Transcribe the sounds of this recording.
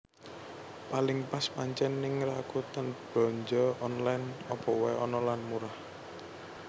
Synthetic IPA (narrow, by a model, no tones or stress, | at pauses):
palɪŋpaspaɲt͡ʃɛnːɪŋrakut̪anb̥ɔ̤ɲd͡ʒɔɔnlajnɔpɔwɛɔnɔlanmuɾah